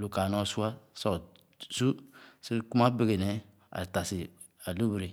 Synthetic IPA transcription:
lu˨ka˨nɔ˦su˦a˦sɔ˨ | su˦se˦ku˦ma˦be˦ɡe˨nɛ˨˦ | a̰˨ta˨si˨ | a˨lu˦bi˨ɾe˨

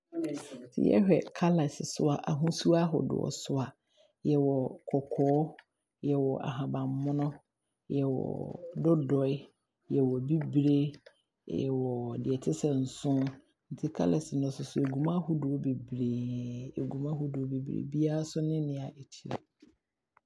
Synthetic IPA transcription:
tʰɪ̰˨˦jɛ̰˦hᶣɛ̰˨kʰa˦lɛ˨sɪ˨sʊ˦a˨ʔa˨ɦũ˦su˦a˦ɦɔ̰˨dʊ̰˨ɔ̰˨sʊ˦a˨ | jɛ˨wɔ˨kʰɔ˨kʰɔː˦ | jɛ˨wɔ˨ʔa̰˨ɦã˨bã˨m˨mʊ̃˦nʊ̃˦ | jɛ˨wɔ̰˨dʊ˦dɔ˨˦ɪ˦ | jɛ˨wɔ˨bi˦bɾe˦ | jɛ̰˨wɔ˨dɪ˨ɛ˨tʰɪ˦sɛ̃˨n̩˨sʊ̃˦ | n̩˨tʰɪ˦kʰa̰˦lɛ˨sɪ˨nʊ̃˨˦sʊ˨sʊ˨e˨ɡu˨mã˦hʊ˦dʊ˨o˦be˨bɾeː˨e˨ɡu˨mã˦ɦʊ˦dʊ˨o˦be˨bɾḛ˨bi˦a˦a˦sʊ˦nɪ̃˦nɪ̃˨a˨ʔe˨t͡ɕʰi˦ɾ̰

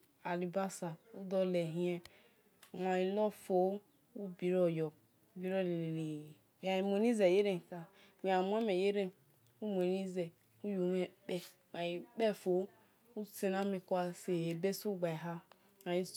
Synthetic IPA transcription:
a˨li˨ba˦sa˨u˦dɔ˦le˨ɦĩ˦ɛ˦˨ | wa˨i˨lɔ˦fo˨˦ | u˦bi˨ɾɔ˦jɔ˨˦ | bi˨ɾo˦˨le˨le˨li˨ | a˨i˨mo˨ni˦ze˨je˦ɾe˨ka˨ | wi˨a˨mʷ˦a˦me˨je˦ɾe˦n | u˦mo˨ni˦zɛ˨ | u˦ju˨˦me˨k͡pɛ˦ | ma˨ji˨k͡pɛ˦fo˨˦ | u˦se˨na˦mi˨kʷa˦se˨e˨be˦su˦ɡ͡ba˨ɦa˦ | a˨ji˦

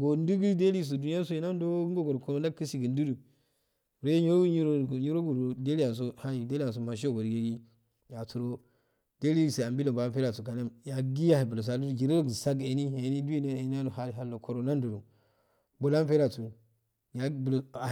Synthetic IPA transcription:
ɡo˨n˦du˦ɡi˦de˦li˦˨s̬o˨du˨ni˦a˦so˦˨i˦na˦n˦do˦ŋɡo˦ɡo˨ɾo˨ko˦ɾo˦n˦a˦ki˦si˨ɡə˨n˦du˦du˨ | ɾo˦jɲi˦ɾo˦ɲi˦ɾo˦˨ɲi˦ɾo˦ɡu˨o˨de˦li˦a˨n˨s̬o˦ha˦ji˨de˦li˦a˨s̬o˨ma˨ʃ̬o˦˨ɡo˨ɾɡe˨ɡi˦ | ja˨tu˨ɾo˦ | d̥e˦li˦˨se˨a˨mbi˦lo˨bo˨a˦fe˦ɾa˨tu˨ka˨ne˦mja˨ɡi˦a˨i˨bu˨lo˨s̬a˨lu˦du˨d͡ʒi˨ɾe˦ɾo˦ɡi˨sa˦ɡe˨ni˦e˨ni˦du˦i˦ne˦e˨n˦a˦nu˨ɦa˦i˨ɦa˨lːo˨kʰo˨ɾo˨na˦n˦du˨ɾu˨ | bo˨la˦m˦fe˦ɾa˨tu˨ | ja˨bl

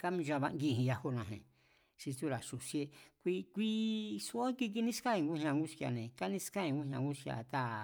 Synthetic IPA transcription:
ka˦mĩ˧ʒa˧βa˧ŋɡi˦˨ɦĩ˧ja˧ho˦nã˨ɦẽ˨ | ʃi˧t̪u˦ɾa˨ʂu˨sje˧kʷi˧kʷi˦su˦o˦ki˧k̬i˧nĩ˦ska˦ĩ˧ŋɡu˦hɲã˧ŋɡu˦skja̰˧˨nẽ˨ka˦nĩ˦ska˦ĩ˧ŋɡu˦ɲã˧ŋɡu˦ska̰˧˨t̪a˦

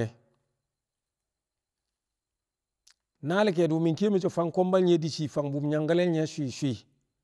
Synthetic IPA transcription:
e˨ | na˦li˦k̬e˨du˨mi˨ke˦mi˨t͡ʃo˨fa˦ŋko˦mba˦lɲe˦di˨t͡ʃi˨fa˨ŋbu˨mɲa˨ŋɡa˦le˦ɲe˦ʃʷi˨ʃʷi˦

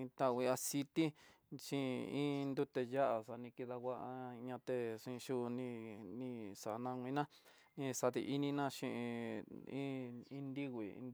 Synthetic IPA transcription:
ĩ˧t̪a˦˧˨wi˧a˧si˧t̪i˦ | t͡ʃĩ˦ĩ˦nd̪u˦t̪e˧ja˦ʔa˨ʂa˧nĩ˧ki˧ða˧ɣa˦ʔa˧ɲã˧t̪e˧ʂĩ˧ʃu˦˧nĩ˧nĩ˧sa˨ʔnã˧ŋʷ˧ĩ˧˦nã˦ | nĩ˧sa˧t̪ḭ˧ʔi˦nĩ˧nã˦ʃĩ˧ʔĩ˧ĩ˦ĩ˦nd̪i˦ɣʷḭ˨˧

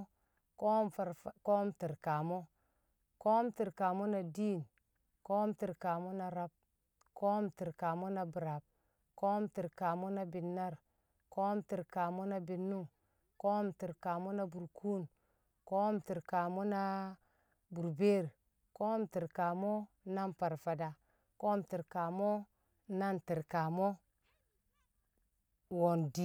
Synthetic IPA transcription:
ko˦mfa˨ɾfko˦mti˨ɾka˨mo˦ | ko˦mti˨ɾka˨mo˦na˨di˦˨n | ko˦mti˨ɾka˨mo˦na˨ɾa˦b̚ | ko˦mti˨ɾka˨mo˦na˦bu˨ɾa˨b̚ | ko˦mti˨ɾka˨mo˦na˦bi˨nːa˦ɾ | ko˦mti˨ɾka˨mo˦na˦bi˨nːu˦ŋ | ko˦mti˨ɾka˨mo˦na˦bu˨ɾkʰu˦n | ko˦mti˨ɾka˨mo˦na˦ | bu˨ɾbe˦˨ɾ | ko˦mti˨ɾka˨mo˦ | na˦mpa˨ɾfa˨da˨ | ko˦mti˨ɾka˨mo˦ | na˦nti˨ɾka˨mo˦ | wo˨ndi˦

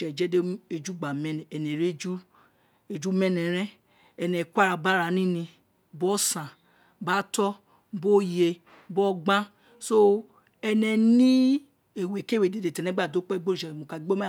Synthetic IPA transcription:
ɛ˨d͡ʒɛ˦de˦e˨d͡ʒu˦ɡ͡ba˨mɛ˦n˨ɛ˨ne˨ɾe˦d͡ʒu˦ | e˨d͡ʒu˦mɛ˦nɛ˨ɾɛ˦ | ɛ˨nɛ˨kʷa˦ɾa˨ba˦ɾa˨nĩ˦nĩ˧ | bɔ˦sã˨ | ba˦tɔ˦ | bo˦je˧˦ | bɔ˦ɡ͡bã˦ | so˦ | ɛ˦nɛ˨nĩ˦ | e˨we˨ke˦we˨de˨de˨tɛ˨nɛ˦ɡ͡ba˦˨do˦k͡pɡ͡bo˦˨ɛ˨mo˨ka˨˦ɡ͡bo˦ma˦

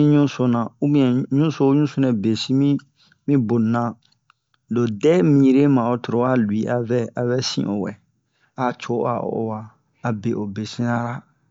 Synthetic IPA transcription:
ĩ˦ɲũ˦so˦nã˨u˦bĩ˦ɛ̃˨ɲũ˦so˦ɲũ˦su˦nɛ̃˨be˨sĩ˦mĩ˦ | mĩ˦bo˨nã˦ | do˨dɛ˦mĩ˦˨˦ɾe˦mã˨o˨to˨ɾo˦a˦lu˨i˦ʔa˨vɛ˦a˨vɛ˦sḭ̃˦˨ʔo̰˨wɛ̰˨ | a˨t͡ʃo˨˦a̰˨o̰˨o̰˨waː˨ | be˨ʔo˨be˨sĩ˦nã˦ɾa˦

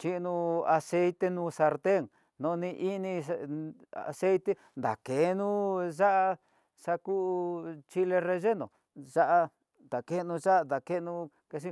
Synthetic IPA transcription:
t͡ʃi˦˧nũ˧a˧se˦jt̪e˧nũ˧sa˧ɾt̪e˦˨ŋ | nõ˧nĩ˧ʔi˦nĩ˧ | a̰˨˧se˦jt̪e˦ | nd̪a̰˨ke˨˦nũ˦ʒa˦ʔa˧ | sa˧ku˦˧t͡ʃi˦le˧re˧ʒe˦nõ̰˨ | ʐa˦ʔa˧ | nd̪a˨ke˦˧nũ˧ʐa˦ʔ̪d̪a˨ke˦˧nũ˧ | ke˧s̬i˦

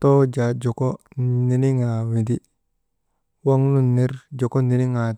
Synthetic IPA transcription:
to˦d͡ʒa˨d͡ʒo˨ko˦ni˨˦ni˦ŋa˨wi˨di˦ | wa˦ŋnu˦nːe˦ɾd͡ʒo˨ko˦ni˨ni˦ŋa˨

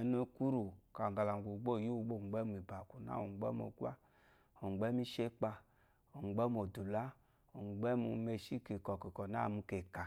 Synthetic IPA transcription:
no˦ku˦ɾu˨ka˨ŋ˨ɡa˨la˨ɡu˨ɡ͡bo˦˨ju˦˨˦ɡ͡bo˦˨ŋ͡mɡ͡bɛ˦mu˨i˨ba˨ku˨na̰˦o˨ŋ͡mɡ͡bɛ̰˦m˦o̰˨ɡʷa̰˦ | o˨ŋ͡mɡ͡bɛ˦mi˦ʃe˦k͡pa˧ | o˨ŋ͡mɡ͡bɛ˦m˦o˨du˨la˦ | o˨ŋ͡mɡ͡bɛ˦mu˧me˧ʃi˦ke˨kɔ˨ki˨kɔ˨na˦˨mu˧ke˨ka˨

